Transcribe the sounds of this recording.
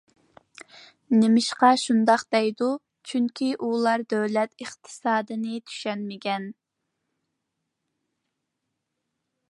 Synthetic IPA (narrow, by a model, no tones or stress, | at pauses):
nɪmɪʃqɑʃund̪ɑqd̪ɛjd̪u | t͡ʃʰyŋkʲiʔulˠɑɾd̪øwlɛt̪əχt̪ʰɨ̥sɑːd̪ɨnɪt̪ʰy̥ʃɛnmɪkʲɛn